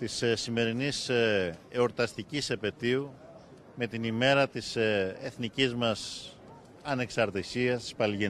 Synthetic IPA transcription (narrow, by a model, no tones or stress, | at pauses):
t̪issime̞ɾinis | eo̞ɾt̪ɐst̪icisepe̞t̪iu | me̞t̪inime̞ɾɐt̪iseθnicizmɐs | ɐne̞ksɐɾt̪isiɐst̪i̥spɐlʝe